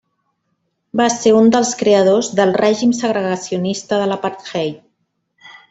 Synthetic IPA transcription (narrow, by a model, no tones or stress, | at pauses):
baseund̪əlˠskɾeəðozðəlˠrɛʒimsəɣ̞ɾəɣəsiunist̪əðələpaɾt̪xɛj